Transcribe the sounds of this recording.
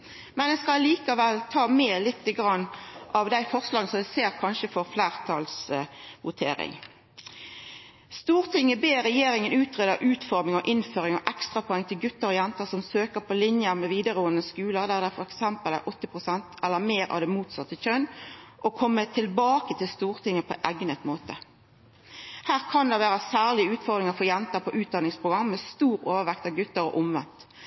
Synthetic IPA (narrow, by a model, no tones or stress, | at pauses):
mɛnɛskɑliːkɑʋɛlt̪ʰɑːmeːlɪt̪ːɪɡɾɑnːʔɑʋd̪æɪfɔʁslɑːɡənəsɔmd̪æseːɾkʰɑnʃəfɔʁflæːʁt̪ʰɑlsʋʊt̪ʰḛːɾɪ̰ŋ | st̪uːʁt̪ʰɪŋːəbeːɾɛjeːɾɪŋənʉːt̪ʰʁeːd̪əʔʉːt̪fɔʁmɪŋɔʔɪnføːɾɪŋɔʔɛkst̪ʁɑpʰɔɛŋt̪ʰɪlɡʉt̪ːəɾɔjɛnt̪əʁsɔmsøːkəɾpʰɔlɪnjəmɛʋiːd̪əʁoːənəskʉːləʁd̪æʁd̪æfɔɾɛksɛmpəlæ̰ʔɔt̪ːəpʁʊsɛnt̪ɛlːəmeːɾɑ̰ʋd̪ɛmuːt̪sɑt̪ːəçœnʔɔkʰɔmːət̪ʰɪlbɑːkət̪ʰɪlst̪uːʁt̪ʰɪŋːəpʰɔ̰ʔæɡnət̪moːt̪ə | hæːʁkʰɑnd̪ɛʋæːʁəsæːʁlɪʉːt̪fɔɾd̪ɾɪŋɑfɔjɛnt̪əpʰɔʔʉːt̪̚d̪ɑnɪŋspʰʁʊɡɾɑmːɛst̪uːɾoːʋəʁʋɛkt̪ɑʋɡʉt̪ːəɾɔ̰ʔʊmʋɛ̰nt̪